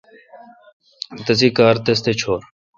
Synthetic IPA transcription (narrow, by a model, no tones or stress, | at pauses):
t̪ɐsiːkaːɾt̪es̬t̪eːt͡ʃʰoːɾ